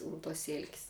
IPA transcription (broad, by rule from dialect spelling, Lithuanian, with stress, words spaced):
ʊn tuɔs ˈsʲeːlʲkʲsʲ